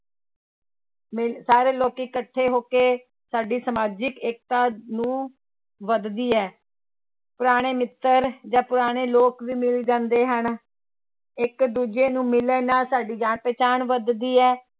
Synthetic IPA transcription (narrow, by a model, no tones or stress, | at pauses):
mɪsaːɾeːloːkiːkəʈʰːeːɦoːkeː | saːɖiːsəmaːd͡ʒɪkeːk̚t̪aːnũː | ʋəd̪d̪iːɛː | pʊɾaːɽ̃eːmɪt̪ːəɾd͡ʒãːpʊɾaːɽ̃eːloːkʋiːmɪlid͡ʒãːnd̪eːɦən | ɪkd̪uːd͡ʒeːnũːmɪleːnaːsaːɖiːd͡ʒaːnpɛːt͡ʃaːɳʋəd̪d̪iːɛː